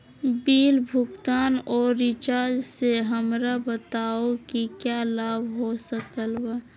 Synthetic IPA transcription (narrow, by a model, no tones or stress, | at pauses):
biːlbʱʊkt̪aːnɔːɾːɪt͡ʃaːɾd͡ʒseɦəmɾabət̪aokikjalaːbʱɦosəkəlbə